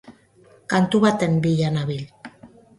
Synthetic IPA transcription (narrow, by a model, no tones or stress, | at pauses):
kant̪uβat̪embiʎanaβil